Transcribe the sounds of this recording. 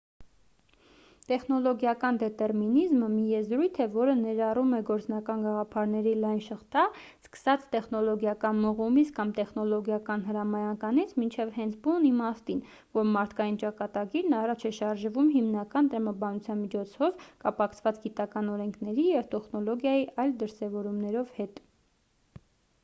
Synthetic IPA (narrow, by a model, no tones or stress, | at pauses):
t̪ɛχnɔlɔɡjɑkɑnd̪ɛt̪ɛɾminizməmijɛzɾujt̪ʰɛvɔɾənɛɾɑrumɛɡɔɾt͡snɑkɑnɡɑʁɑpʰɑɾnɛɾilɑjnʃəχt̪ɑ | skə̥sɑt͡sʰt̪ɛχnɔlɔɡjɑkɑnməʁumit͡sʰkɑmt̪ɛχnɔlɔɡjɑkɑnɦəɾɑmɑjɑkɑnit͡sʰmint͡ʃʰɛvhɛnt͡sʰbunimɑst̪in | vɔɾmɑɾt̪ʰkɑjint͡ʃɑkɑt̪ɑɡiɾnɑrɑt͡ʃʰɛʃɑɾʒvumɦimnɑkɑnt̪əɾɑmɑbɑnut͡sʰjɑnmit͡ʃʰɔt͡sʰɔvkɑpɑkʰt͡sʰvɑt͡sɡit̪ɑkɑnɔɾɛŋkʰnɛɾijɛvt̪ɛχnɔlɔɡjɑjiʔɑjld̪əɾsɛvɔɾumnɛɾɔvhɛt̪